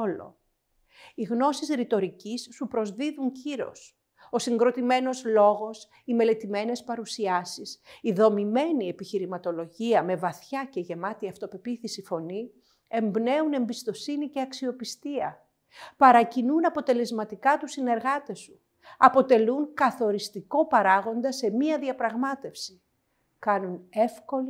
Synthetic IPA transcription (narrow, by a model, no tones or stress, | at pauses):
olo̞̰ | iɣno̞sisɾit̪o̞ɾicisːupɾo̞zðiðuŋciɾo̞̰s | o̞siŋɡɾo̞t̪ime̞no̞zlo̞ɣo̞s | ime̞le̞t̪ime̞ne̞spɐɾusiɐsisiðo̞mime̞nie̞piçiɾimɐt̪o̞lo̞ʝiɐme̞vɐθçɐce̞ʝe̞mɐt̪iɐft̪o̞pe̞piθisifo̞ni | e̞mbne̞une̞mbist̪o̞sinice̞ɐksio̞pist̪iɐ | pɐɾɐcinunɐpo̞t̪e̞le̞zmɐt̪ikɐt̪usine̞ɾɣɐt̪e̞su | ɐpo̞t̪e̞luŋkɐθo̞ɾist̪iko̞pɐɾɐɣo̞nd̪ɐse̞miɐðiɐpɾɐɣmɐt̪e̞fsi | kɐnune̞fko̞li